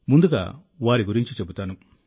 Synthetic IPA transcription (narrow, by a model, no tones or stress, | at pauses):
mund̪uka̰ | waɾiɡuɾiɲt͡ʃut͡ʃebut̪anuŋ